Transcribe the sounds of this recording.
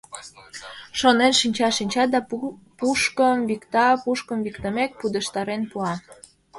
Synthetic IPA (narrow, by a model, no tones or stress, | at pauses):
ʃonenʃinʲt͡ɕɑʃinʲt͡ɕɑd̪ɑ | puʃkəmβikt̪ɑpuʃkəmβikt̪əmek̚pud̪əʃt̪ɑɾenpuɑ